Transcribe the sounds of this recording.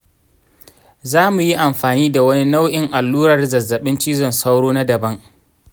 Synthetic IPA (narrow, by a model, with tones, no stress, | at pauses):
zaː˦mu˨ji˦ʔa˨mɸaː˨niː˦da˨wɐ˦ni˦na˦wʔɪ˨ŋʔa˨lːuː˦ɾɐ˨rzɐ˨zːɐ˨ɓɪ˦nt͡ʃiː˦zɔ˨nsa˦wɽoː˦na˦dɐ˨bɐ˦ŋ